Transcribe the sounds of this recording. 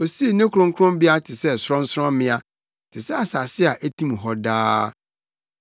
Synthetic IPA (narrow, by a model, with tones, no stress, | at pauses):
o˨si˦e˨nẽ˦kʰɾʊ̃˦ŋ̩˦kʰɾʊ̃˦mbɪ˦a˦tʰɪ˨sɛ˦sɾɔ̃˦n̩˦sɾɔ̃˦mɪ̃˦a˨ | tʰɪ˨sɛ˦a˨sa˨sɪ˦a˨ʔæ˦tʰĩ˦m˨ɦɔ˦daː˦